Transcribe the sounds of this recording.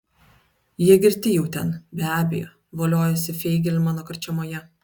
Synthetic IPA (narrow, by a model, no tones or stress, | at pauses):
jiɛɡʲɪɾʲt̪ʲɪjɛʊt̪ʲɛnbʲæːbʲɛ̰jo̰ː | ʋoːlʲoːjɛsʲɪfʲɛɪɡʲɛlʲmɑːnoːkɐɾʲt͡ʃʲɛmoːjɛ